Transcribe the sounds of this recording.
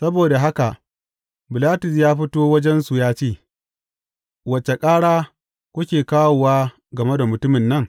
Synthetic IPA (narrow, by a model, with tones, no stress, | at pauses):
sɐ˦boː˨da˨ɦa˦ka˨ʔ | bɪ˨laː˦tʊ˨s̬jaː˦ɸɪ˦toː˦wɐ˦d͡ʒɛ˦nsu˨jaː˦t͡ʃeː˦˨ | wɐ˨t͡ʃːe˨kʼaː˦ɽaː˦ | kʷʊ˦kʲeː˨kaː˦woː˨waː˦ | ɡɐ˨me˦da˨mʊ˨tʊ˦mɪ˨nːɐ˦ŋ